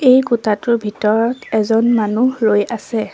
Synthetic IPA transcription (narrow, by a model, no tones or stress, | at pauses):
ejɡutatʊɹbʱitɔɹɔtɛzɔnmanulojasɛ